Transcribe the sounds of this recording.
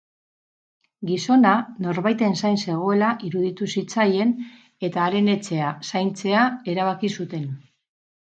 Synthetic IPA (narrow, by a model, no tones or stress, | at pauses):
ɡiso̞nano̞ɾβajt̪e̞nsajnse̞ɣ̞o̞e̞laʔiɾuðit̪usit͡saje̞n | e̞t̪aːɾe̞ne̞t͡se̞asajnt͡se̞ae̞ɾaβ̞akisut̪e̞n